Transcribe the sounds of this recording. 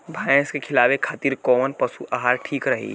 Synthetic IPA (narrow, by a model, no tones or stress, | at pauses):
bʱaːjẽskekʰɪlaːʋekʰaːt̪iːɾkɔːmənpɐsuʔaːɦaːɾʈʰiːkɾɐɦḭː